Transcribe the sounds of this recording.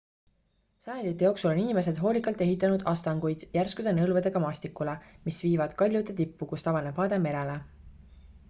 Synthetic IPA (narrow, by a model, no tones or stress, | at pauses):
sɑjɑnd̪it̪ːˑe̞jo̞ːksulo̞ninime̞s̬e̞d̪̥ɦo̞ːlʲikːˑɑlt̪ːˑeɦit̪ːˑɑnud̪̥ʔɑst̪ɑŋɡ̥ujd̪̥jærskud̪̥enɤlved̪̥e̞ɡ̥ɑmɑːsʲt̪ikːˑulemisviːvɑd̪̥kɑlʲjud̪et̪ipːukust̪ɑvɑne̥hɑːd̪eme̞ɾe̞le